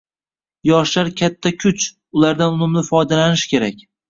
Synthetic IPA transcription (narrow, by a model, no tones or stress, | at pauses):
jɒʃlaɾkʲʰat̪ʰːakʲʰʊt͡ʃ | ʊlaɾd̪anʊnɪmlɪfɒjd̪alanɪʃkʲe̞ɾakʲ